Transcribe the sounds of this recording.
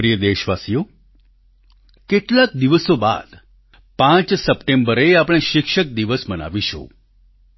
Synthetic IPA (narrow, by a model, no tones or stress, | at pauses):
ɾijəd̪eɕʋasjo | keʈlak̚d̪iʋəsoba̰d̪ | pãt͡ʃsəpʈembəɾeapɽ̃ẽɕikʂək̚d̪iʋəsməna̰ʋiɕo̰